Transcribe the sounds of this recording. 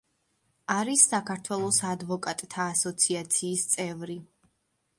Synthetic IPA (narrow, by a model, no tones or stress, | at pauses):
aɾisːakʰaɾt̪ʰwɛlˠɔsad̪vɔkʼat̪ʼt̪ʰaːsɔt̪sʰiat̪sʰiːst̪sʼɛvɾi